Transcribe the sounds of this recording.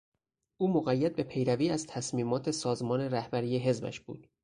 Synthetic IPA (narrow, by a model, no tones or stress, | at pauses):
ʔuːmoɣæjːæd̪̚be̞pʰe̞jɾæviːæz̥t̪ʰæsmiːmɒːt̪ʰe̞sɒːzmɒːne̞ɾæhbæɾiːjeɦe̞zbæ̰ʃb̥ṵːd̪̥